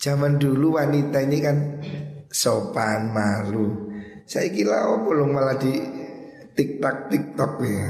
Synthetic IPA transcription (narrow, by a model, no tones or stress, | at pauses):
d̥d͡ʒ̥a̤mand̪uluwanit̪ainikan | sopanmaɾu | saikila̰ɔpolʊŋmalad̪̥i̤ | t̪ɪk̚t̪ɔk̚t̪ɪk̚t̪ɔk̚we